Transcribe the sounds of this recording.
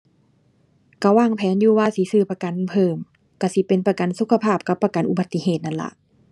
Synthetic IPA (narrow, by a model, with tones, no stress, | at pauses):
ka˧˩waː˧˥˩ŋpʰɛː˨˦njuː˧waː˧si˨˧˦sɯː˧˩pa˧ka˨npʰɤː˧˩m | ka˧˩si˧˦pe˨npa˧ka˨nsu˧˦kʰa˧pʰaː˧˥˩p̚ka˧˦pːa˧ka˨˦nʔu˧ba˧˦t̪ːi˧˦ɦeː˨˩t̪̚na˧˩nla̰˧˦ʔ